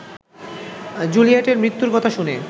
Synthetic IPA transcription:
d͡ʑuliaʈeɾmɾit̪ːuɾkɔt̪ʰaʃune

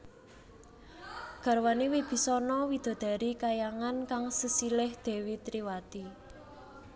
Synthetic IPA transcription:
ɡ̥a̤ɾwanewib̥i̤sɔnɔwid̪̥ɔ̤d̪̥a̤ɾikajaŋankaŋsəsilɪhd̪̥e̤wit̪ɾiwat̪i

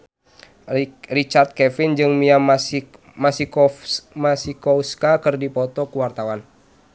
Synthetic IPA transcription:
rit͡ʃart̪̚kɛfind͡ʒɨŋmia | masikɔmasikɔuskakɨrdipɔt̪ɔkuwart̪awan

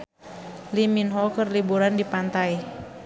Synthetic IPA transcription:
liminɦɔkərlibuɾandipant̪aj

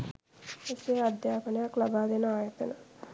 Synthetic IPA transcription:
esead̪jaːkonejaklabaːd̪enəaːjət̪ənə

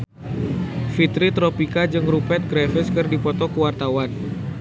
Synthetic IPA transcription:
fit̪ɾit̪ɾɔpikad͡ʒɨŋrupɛt̪̚ɡɾɛfɪskɨrdipɔt̪ɔkəwart̪awan

